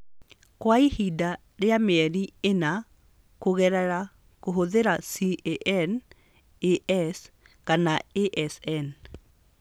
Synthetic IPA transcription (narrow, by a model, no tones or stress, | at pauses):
kwaihida | ɾeameɛɾiena | koɣɛɾɛɾa | koɦoðeɾasiʔeʔɛn | eʔɛs | kanaeʔɛsɛn